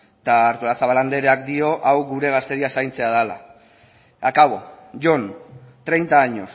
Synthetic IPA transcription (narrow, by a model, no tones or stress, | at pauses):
t̪aːɾt̪olasaβaland̪e̞ɾeak̚d̪io̞ʔawɣuɾe̞ɣ̞ast̪e̞ɾiasajnt͡se̞aðala̰ | akaβo̞ʝo̞nt̪ɾe̞jnt̪aːɲos